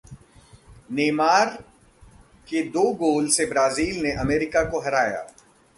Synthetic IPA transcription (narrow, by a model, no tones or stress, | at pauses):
neːmaːɾ | ked̪oːɡoːlsebɾaːziːlneʔɐmeːɾɪkakoɦɐɾaːja̰ː